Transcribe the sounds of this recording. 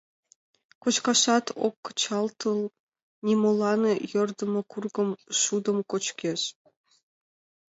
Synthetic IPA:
kot͡ɕkɑʃɑt̪ʰo̰kːt͡ɕɑlˠt̪ɤlˠ | nʲimolˠɑnɤjɤ̆rd̪ə̆mɤ̆kurɡɤ̆mʃud̪ə̆mkot͡ɕkʲeʃ

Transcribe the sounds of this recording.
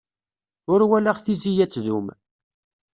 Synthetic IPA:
ʊɾwælaʁθizijæt͡sːðum

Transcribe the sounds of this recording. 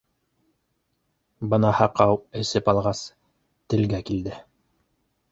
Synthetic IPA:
bɤ̆nɑhɑqɑwɘ̆sɘpɑlˠʁɑs | t̪ɘ̆lɡækild̪ɘ

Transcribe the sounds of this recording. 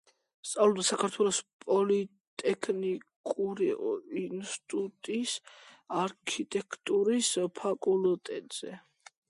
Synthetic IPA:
st̪sʼavlˠɔbd̪asakʰaɾt̪ʰwɛlˠɔspʼɔli | t̪ʼɛkʰnikʼuɾiinst̪ʼut̪ʼisaɾkʰit̪ʼɛkʰt̪ʼuɾispʰakʼulˠt̪ʼɛt̪ʼz̥ɛ̰

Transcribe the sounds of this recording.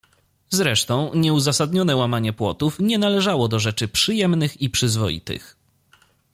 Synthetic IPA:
zɾɛʂt̪ɔ̃w̃ɲɛuzasad̪ɲɔnɛwamaɲɛpwɔt̪ufɲɛnalɛʐawɔd̪ɔʐɛt͡ʂɘpʂɘjɛmnɘxipʂɘzvɔjḭt̪ɘ̰x

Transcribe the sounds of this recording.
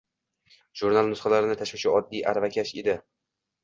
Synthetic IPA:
ʒuɾnalˠnʊsχɑlaɾɪnɪt̪ʰaʃvɪt͡ʃʰɪɒd̪ːijʔa̰ɾvakʲʰaʃed̪ɪ

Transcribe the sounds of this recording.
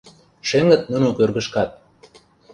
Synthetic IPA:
ʃeŋə̆t̪̚nunokørɣə̆ʃkɑt̪̚

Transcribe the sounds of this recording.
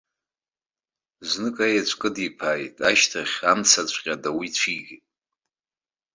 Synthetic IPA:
znɨkʼajat͡ʃʷʰʼkʼɨdipʰajtʼaʃtʰaχʲamt͡sʰat͡ɕʷʰʼqʲʼadawit͡ɕʷʰiɡʲitʼ

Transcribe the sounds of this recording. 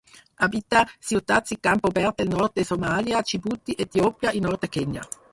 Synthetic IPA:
abit̪asiut̪at̪sikampobɛɾt̪̚elnɔrt̪̚esomaljat͡ʃibut̪ːiʔet̪jopjaʔinɔrt̪ekeɲa̰

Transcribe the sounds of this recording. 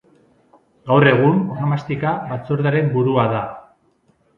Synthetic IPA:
ɡawre̞ɣ̞unoamast̪ikaβat͡soɾðaɾe̞mbuɾuaða

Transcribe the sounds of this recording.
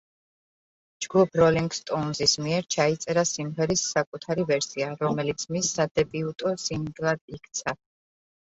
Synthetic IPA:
d͡ʒɡupʰɾɔliŋɡst̪ʼɔnzismiɛɾt͡ʃʰait̪sʼɛɾasimʁɛɾisːakʼut̪ʰaɾivɛɾsiaɾɔmɛlit̪sʰmisːad̪ɛbʼiut̪ʼɔsiŋɡlad̪ikʰt̪sʰa

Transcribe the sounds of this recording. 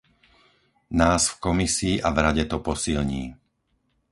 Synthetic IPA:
naːsfkɔmisiːʔavɾaɟɛt̪ɔpɔsilɲḭː

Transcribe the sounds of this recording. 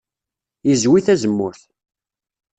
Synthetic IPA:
izwiθæzəmːʊɾθ

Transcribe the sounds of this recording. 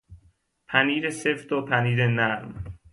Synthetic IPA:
pʰæniːɾesefd̪opʰæniːɾenæɾm

